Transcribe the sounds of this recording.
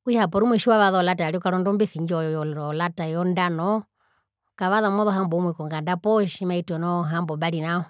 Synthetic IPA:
kujapɔɾimwɛʃiwaʋaðɔlataaɾiɔkaɾɔndɔmbiθiɲd͡ʒɔjɔjɔɾɔlatajɔndanɔ | kaβaðamɔðɔɦambɔumwɛkɔŋɡandapɔʃimaitɔnɔɦambɔbaɾinaɔ

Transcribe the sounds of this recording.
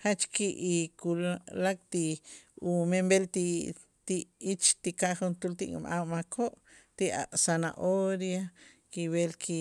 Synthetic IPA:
χat͡ʃkiʔikullak̚t̪iumembelt̪i | t̪iit͡ʃt̪ikaʔχunt̪ult̪iʔkṵmʔammakʰoʔt̪iʔa̰ʔsana̰ʔoɾjakiwelkʰi

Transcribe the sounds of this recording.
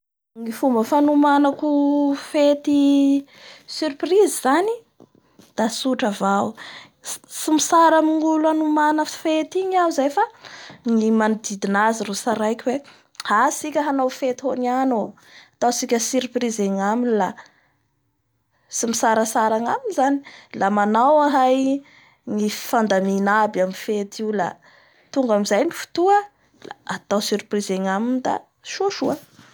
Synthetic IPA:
ŋifumbəfanumanakufet̪i | syɾpriziz̥ani | d̪̥asuʈ͡ʂəvaw | simisaɾamiŋuluanumanəfet̪iɲawzajfaŋimanud̪id̪inaziɾusaɾajkʲwe | hasikʲəɦanawfet̪ihoniano | at̪awsikʲəsyɾiprizeŋaminila | simisaɾasaɾaŋaminizani̥lamanawaɦaj | ŋifand̪aminabaminfet̪ʰila̰ | t̪uŋɡamizajnifu̥t̪uə | la̰at̪awsyɾiprizeŋaminid̪a̰ | ʃuʃuə

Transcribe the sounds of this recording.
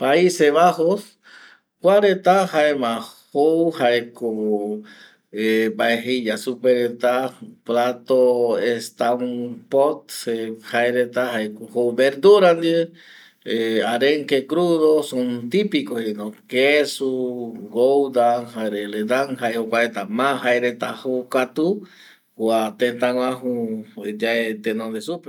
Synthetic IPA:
paiseβahos | kwaɾet̪ahaemãhowhaeko | ebaeɦiʎasupeɾet̪aplat̪oest̪aũpot̪̚sehaeɾet̪ahajkohowbeɾd̪uɾand̪ie | eaɾeŋkekɾuðosont̪ipikohenõkesuɡowd̪aɦaeɾeled̪aŋɦaehokʷaɾet̪amãɦaeɾet̪ahokat̪u | kʷat̪ent̪ãŋwãɦud͡ʒaet̪enõnd̪esupe

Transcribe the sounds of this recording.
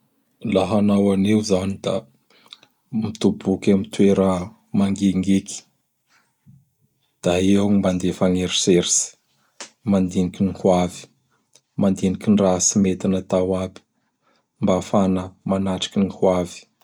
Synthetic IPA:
laɦanawanewzanid̪a̰ | mit̪ubukʲamit̪weɾə | maŋɡeŋɡiki̥ | d̪̥aeaŋimband̪efaŋeɾiseɾisi̥ | mand̪inikinikuavi̥ | mand̪inikʲinrasimet̪inət̪awabi̥ | mbafanəmanaʈ͡ʂḁkʲinikwavi̥

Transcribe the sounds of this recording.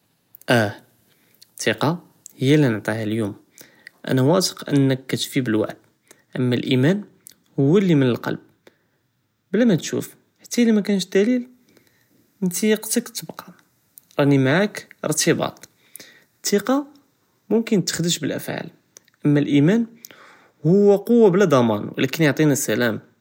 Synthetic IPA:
ʔæ | t̪ːiqɑ | həjːælinəʕt̪ˤihæljum | ʔæ̰næwɑsə̥qʔə̰nːəkːæt̪fibəlwa̰ʕd̪ | ʔəmːælʔimæn | hʊwːælːimənəlqɑ̰lb̚ | blæmæt̪ʃṵf | ħat̪ːælimækænəʃd̪ælil | ʔənt̪ijəqt̪əkt̪ːbqɑ | ɾˤɑnimaʕakə̰ɾˤt̪əbɑ̰t̪ˤ | t̪ʰːiqɑ | mʊmkənt̪ːə̥xd̪əʃbəlʔæ̰fʕa̰l | ʔəmːælʔimæn | hʊwːæqowːablæd̪ˤɑmɑnwə̰lækənjoʕt̪ˤinæsælæm

